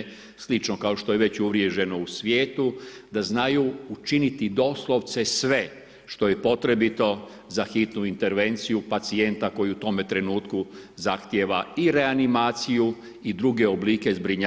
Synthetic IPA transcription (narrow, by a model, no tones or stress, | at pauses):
slit͡ʃno̞kao̞ʃt̪o̞jeʋe̞t͡ɕuʋɾje̞ʒe̞no̞usʋjeːt̪ud̪aznajuut͡ʃinit̪id̪o̞slˠo̞ʋt̪se̞sʋe̞ | ʃt̪o̞je̞po̞t̪ɾe̞bit̪o̞ | zaxit̪nuint̪e̞ɾʋe̞nt̪sijupat̪sie̞nt̪ako̞jiut̪o̞me̞t̪ɾe̞nuːt̪kuzaxt̪jeʋaiɾe̞animaːt̪siju | id̪ɾuɡe̞obliːke̞zbɾiɲa